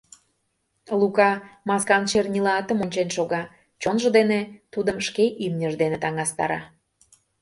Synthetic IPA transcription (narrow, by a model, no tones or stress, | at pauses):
lukɑmɑskɑnʃernʲilɑt̪əmonʲt͡ɕenʃoɣɑ | t͡ɕonʒə̆d̪enet̪ud̪əmʃkeʔimnʲəʒd̪enet̪ɑŋɑst̪ɑ̰ɾɑ